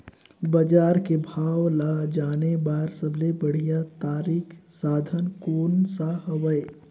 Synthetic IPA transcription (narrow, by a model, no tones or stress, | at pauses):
bɐd͡ʒaːɾkebʱaːwlad͡ʒaːnebaːɾsəblebɐɽ̤ijat̪aːɾiːkʰsaːd̪ʱənkoːnsaɦəʋəe